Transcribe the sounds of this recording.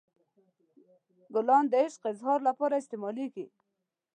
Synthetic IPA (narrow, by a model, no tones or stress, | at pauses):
ɡʊlɑnd̪əɪʃqɪzhɑɾlapɑɾaɪst̪emɑliɡi